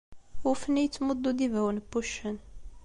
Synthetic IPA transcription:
ʊɾfənijət͡sːməd̪ˤːud̪ivæwənbːuʃːən

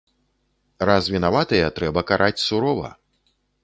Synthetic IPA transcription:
razvʲinavat̪ɐjɐt̪ɾɛbɐkaɾʔat͡sʲsuɾɔvɐ̰

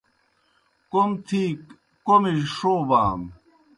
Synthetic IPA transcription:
komt̪ʰiːkː | omiʂoːba̰ːm

